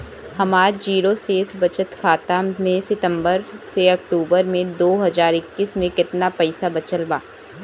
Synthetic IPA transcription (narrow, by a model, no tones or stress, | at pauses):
hɐmaːɾd͡ʒiːɾoseːsbɐt͡ʃət̪kʰaːt̪amẽsɪt̪ə̃mbəɾseɐk̚ʈuːbəɾmẽd̪oːɦɐzaːɾɪkːismẽkɪt̪napɐɪsabɐt͡ʃəlbaː